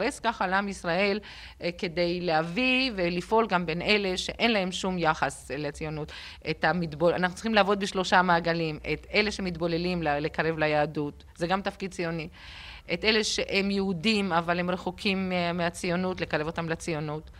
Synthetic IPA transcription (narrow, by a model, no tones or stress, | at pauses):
ʁeskaχalamisʁae̞l | ke̞dejleavivelifʔo̞lɡambe̞nʔe̞le̞ʃeʔe̞nlae̞mʃumjaχaslet͡sijo̞nut | ʔetamitbola̰naχnutt͡siχximlavo̞d̪̚biʃlo̞ʃamaːɡalimete̞leʃehemit̪bo̞lelimlale̞kaʁe̞vlajaːdut | zeɡamt̪afkid̪̚t͡sijo̞ni | ʔet̪ʔe̞le̞ʃeʔemjeudimavalhemʁeχokʰimmeat͡sijo̞nutle̞kaʁe̞vo̞t̪amlet͡sijo̞nut